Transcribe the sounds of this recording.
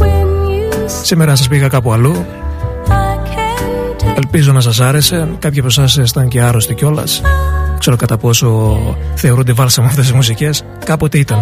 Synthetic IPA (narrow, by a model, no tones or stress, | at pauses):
simeɾɐnɐs̬ɐs̬piɣɐkɐpuɐlu | k | elpizo̞nɐs̬ɐs̬ɐɾe̞se̞kɐpçɐpo̞sɐsesi̥t̪ɐnceɐɾo̞st̪ico̞lɐ̰skse̞ɾokɐt̪ɐpo̞so̞θeo̞ɾund̪evɐlsɐmuɐft̪e̞s̬izmus̬ice̞s | kɐpo̞t̪eit̪ɐn